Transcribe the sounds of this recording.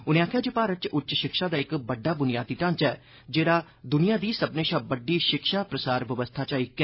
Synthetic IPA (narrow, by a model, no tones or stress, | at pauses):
ʊnẽːaːkʰjaːd͡ʒeːpaːɾət͡ʃʊtːt͡ʃʃɪkʃaːd̪aːɪkbəɖːaːbʊnɪjaːd̪iːʈãːnt͡ʃɛː | d͡ʒeːɽaː | d̪ʊnijãːd̪iːsəbnẽːʃaːbəɖːiːʃɪkʃaːpɾəsaːɾʋəʋəst̪ʰaːt͡ʃaːiːk